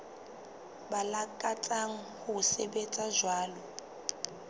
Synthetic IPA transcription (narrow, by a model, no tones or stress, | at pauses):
balakʼat͡sʼaŋ̩hʊsebet͡sʼazwaːlɔ